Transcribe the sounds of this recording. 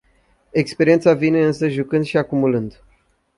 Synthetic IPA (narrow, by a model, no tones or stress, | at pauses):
e̞kspeɾient̪savine̞ɨnsəʒukɨnd̪ʃiakumulɨnd̪